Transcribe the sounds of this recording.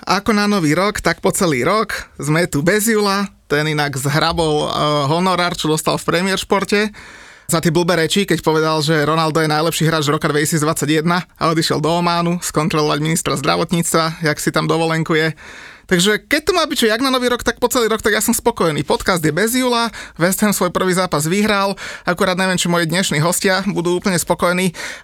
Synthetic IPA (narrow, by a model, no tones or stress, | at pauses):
akɔnanɔʋiːɾɔkt̪akpɔt͡sɛliːɾɔkzmɛt̪ubɛzjulat̪ɛninaɡzɦɾabɔlɦɔnɔɾaːɾt͡ʃɔd̪ɔst̪a̰lfpɾɛmɪɛɾʃpɔɾcɛzat̪ɛbl̩ˠbɛːɾɛt͡ʃikɛcpɔʋɛd̪alʒɛɾɔnald̪ɔjɛnajlɛpʃiːɦɾaːd͡ʒɾɔkad̪ʋɛcisiːd͡zd̪ʋat͡sːaɟjɛd̪naa̰ɔd̪iʃɪɛ̰ld̪ɔɔmaːnuskɔnt̪ɾɔlɔʋaɟminist̪ɾazd̪ɾa̰ʋɔt̪ɲiːt͡st̪ʋajaksit̪amd̪ɔʋɔlɛŋkujɛt̪aɡʒɛkɛc̚t̪ɔmaːbict͡ʃɔaɡnanɔʋiːɾɔkt̪ak̚pɔt͡sɛliːɾɔkt̪aɡjasɔmspɔkɔjɛniːpɔt̪kazd̪jɛbɛzjuːlaʋɛsɛmsʋɔjpr̩ʋiːzaːpazʋiɦɾalakuɾaːd̪ɲɛʋɪɛmt͡ʃimɔjid̪ɲɛʃniːɦɔscɪabud̪uːuːpl̩ɲɛspɔkɔjɛniː